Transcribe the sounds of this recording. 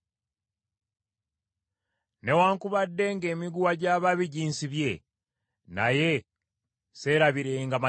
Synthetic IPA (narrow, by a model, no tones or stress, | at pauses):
ne̞waːŋkuβadːe̞ŋɡe̞ːmiɡuwaɟaːβaβiɟiːnsiβje̞ | na̰je̞ | se̞ːɾaβiɾeŋɡama